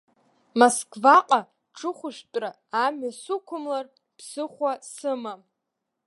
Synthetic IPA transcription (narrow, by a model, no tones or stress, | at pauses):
moskʰʼvaqʼa | ʈ͡ʂʰɨχʷʊʃᶣtʼraːamɥasʊkʷʰʊmlar | pʰsɨχʷasɨma